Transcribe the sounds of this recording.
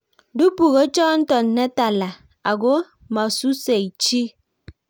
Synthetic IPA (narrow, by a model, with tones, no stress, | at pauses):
du˦pu˨ɣo˨˦t͡ʃɔ˦n̩˦tɔ˨n̩˨˦ne˦ta˨la˨ | a˨ɡo˦˨ | ma˨su˦se˨i˨t͡ʃi˦